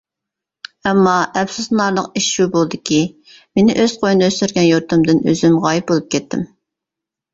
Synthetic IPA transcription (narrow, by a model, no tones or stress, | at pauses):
ɛmːɑʔɛpsuznɑɾlˠəqiʃʃubolˠɨd̪ɪkʲʰi | menɪʔøz̥qʰojnøsyɾɡʲɛnjuɾt̪ʰɨmd̪ɨnø̰zymʁɑːjip̚bolˠup̚kʲɛt̪ʰːɪ̰m